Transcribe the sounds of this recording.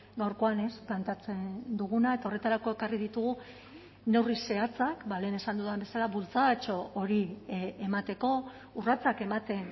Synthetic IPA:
ɡawɾko̞ane̞splant̪at͡se̞nd̪uɣ̞unae̞t̪ao̞re̞t̪aɾako̞e̞karið̞it̪uɣ̞u | ne̞wrise̞at͡sakbale̞ːne̞sand̪uðambe̞salaβult͡sat͡ʃo̞ʔoɾiemat̪e̞ko̞ | urat͡sake̞mat̪e̞n

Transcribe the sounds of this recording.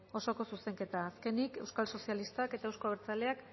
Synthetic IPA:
o̞so̞ko̞suse̞ŋke̞t̪aːske̞nikewskalso̞sialist̪ake̞t̪aewskoβeɾt͡saleak

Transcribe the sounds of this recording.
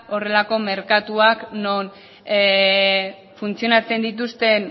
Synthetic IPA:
o̞re̞lako̞me̞ɾkat̪uakno̞n | funt͡sijo̞nat͡se̞nd̪it̪̬ust̪e̞n

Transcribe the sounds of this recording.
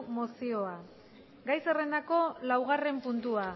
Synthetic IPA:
mosio̞a | ɡajse̞re̞nd̪ako̞lawɣ̞are̞mpunt̪ua

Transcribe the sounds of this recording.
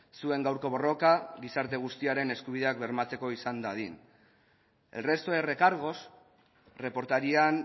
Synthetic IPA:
sue̞ŋɡawɾko̞βo̞ro̞kaɣisaɾt̪e̞ɣ̞ust̪iaɾe̞ne̞skuβ̞iðe̞akbe̞ɾmat͡se̞ko̞isand̪aðin | e̞̰lre̞st̪o̞e̞re̞kaɾɣ̞o̞s | re̞po̞ɾt̪aɾian

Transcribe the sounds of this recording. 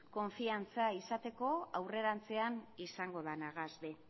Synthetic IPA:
ko̞ɱfiant͡saisat̪e̞ko̞awre̞ɾant͡se̞anisaŋɡo̞ðanaɣazβe

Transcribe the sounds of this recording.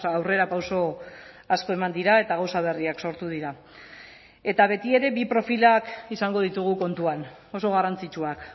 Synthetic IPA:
awre̞ɾapawso̞ | asko̞e̞mand̪iɾaet̪aɣ̞awsaβ̞e̞riakso̞ɾt̪uð̞iɾa | e̞t̪aβ̞e̞t̪ie̞ɾe̞βipɾo̞filakisaŋɡo̞ð̞it̪uɣ̞uko̞nt̪uan | o̞so̞ɣ̞arant͡sit͡ʃuak

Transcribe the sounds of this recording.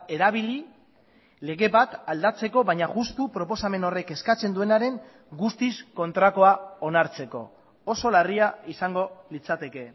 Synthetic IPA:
e̞ɾaβ̞ili | le̞ɣe̞βat̪ald̪at͡se̞ko̞βaɲaɣust̪upɾo̞po̞same̞no̞re̞ke̞skat͡se̞nd̪ue̞naɾe̞ŋ | ɡust̪isko̞nt̪ɾako̞ao̞naɾt͡se̞ko̞̰ | oso̞lariaisaŋɡo̞lit͡sat̪e̞ke̞

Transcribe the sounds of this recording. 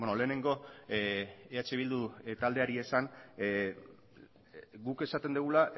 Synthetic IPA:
onole̞ːne̞ŋɡo̞ | eat͡ʃeβild̪ut̪ald̪e̞aɾie̞san | ɡuke̞sat̪e̞nd̪eɣ̞ula

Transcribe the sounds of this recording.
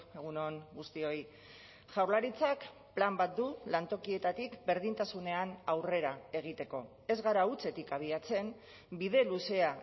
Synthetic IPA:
eɣ̞uno̞ŋɡust̪io̞j | ʝawɾlaɾit͡sak | plambat̪̚d̪ulant̪o̞kie̞t̪at̪ikbe̞ɾðint̪asune̞anawre̞ɾae̞ɣ̞it̪e̞ko̞ | e̞zɣaɾaut͡se̞t̪ikaβ̞iat͡se̞m | biðe̞luse̞a

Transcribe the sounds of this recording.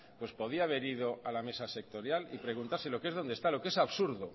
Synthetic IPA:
pwe̞spo̞ð̞iaːβ̞e̞ɾiðo̞ʔalame̞sase̞k̚t̪o̞ɾjalipɾe̞ɣ̞unt̪aɾse̞lo̞keezðo̞nd̪est̪alo̞ke̞saβsuɾðo

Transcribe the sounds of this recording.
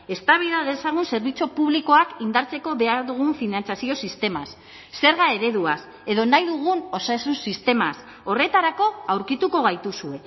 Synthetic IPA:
e̞st̪aβ̞iðaðe̞saɣ̞unse̞ɾβit͡sopuβliko̞akind̪aɾt͡se̞ko̞βe̞aɾðuɣ̞uɱfinant͡sjasio̞sist̪e̞masː | e̞ɾɣae̞ɾe̞ðuas | e̞ðo̞najðuɣ̞uno̞sasunsist̪e̞mas | o̞re̞t̪aɾako̞awɾkit̪uko̞ɣajt̪usue̞

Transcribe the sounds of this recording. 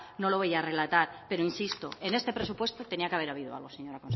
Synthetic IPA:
noloβ̞ejare̞lat̪aɾpe̞ɾoinsist̪oene̞st̪epɾesupwe̞st̪ot̪e̞niakeaβe̞ɾaβ̞iðoa̰lɣoseɲoɾakons

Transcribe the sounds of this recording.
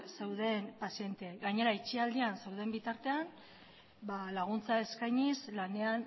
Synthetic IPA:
sewðe̞mpasie̞nt̪eɡaɲe̞ɾait͡ʃiald̪iansewðe̞mbit̪aɾt̪e̞an | balaɣ̞unt͡sae̞skajɲislane̞an

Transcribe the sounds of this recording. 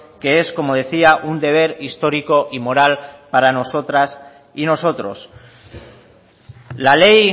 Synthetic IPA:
ke̞e̞sko̞mo̞ð̞e̞θiaʔund̪e̞β̞e̞ɾist̪o̞ɾiko̞ʔimo̞ɾalpaɾano̞so̞t̪ɾas | ino̞so̞t̪ɾo̞̰s | lale̞j

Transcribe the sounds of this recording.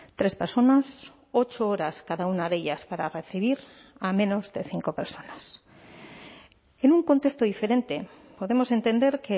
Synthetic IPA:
t̪ɾe̞speɾso̞nas | o̞t͡ʃooɾaskaðaunaðe̞ʎaspaɾare̞θiβ̞iɾ | amẽ̞no̞zðe̞θiŋko̞pe̞ɾso̞nas | enuŋko̞nt̪e̞st̪oðife̞ɾe̞nt̪e̞ | po̞ðe̞mo̞se̞nt̪e̞nd̪e̞ɾke

